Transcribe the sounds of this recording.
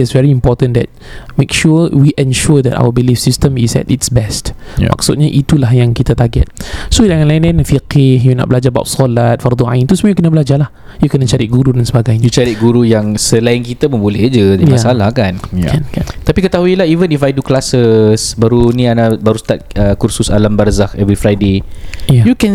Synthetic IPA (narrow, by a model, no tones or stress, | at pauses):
ɛtsvɛɹiimpɔtə̃ndɛ̰t̚mekʃuwiʔɛ̃nʃud̪ɛ̰ta̰wəbilifsistəmisɛ̰titsbɛstma̰k̚sut̪̚ɲaʔit̪ulahjaŋkit̪at̪arɡɛ̰t̪̚sodaŋanlaĩnlaɪ̃nfiqɪhjuna̰ʔbəlad͡ʒaəba̰ʊwtsɔlat̪̚fard̪ɔã̰ĩnt̪usmãjukənəbəlad͡ʒalah | jukənat͡ʃaɾiʔ̚ɡuɾudansəbaɡajɲaut͡ʃaɾiɡuɾujaŋsəlainkit̪amə̃mbulɛhd͡ʒədijmasalahkanankat̪apikət̪aɦuilahivənifajduklasəsbaɾunĩanabaɾust̪at̪̚əkursusalambarzakɛvɾifɾajdejajukɛn